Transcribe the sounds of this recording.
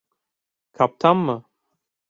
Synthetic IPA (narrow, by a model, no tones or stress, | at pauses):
kʰap̚t̪ʰamːa